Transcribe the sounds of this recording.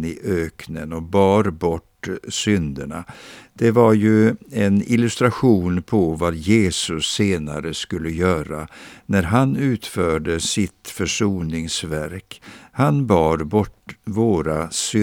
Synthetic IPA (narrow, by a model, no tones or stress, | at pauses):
ɪʔøːknənɔbɑːɾbɔʈːsʏnd̪əɳa̰d̪̥ɛvaɾjɵɛnɪlɵst̪ɾaɧuːnpʰɔvajeːsɵsːeːnaɾəskɵlːəjœːɾanæɾɦanʉ̟ːt̪fœːɖəsɪt̪fœʂuːnɪŋsvæɾkhanbɑːɾbɔʈːvoːɾasʏ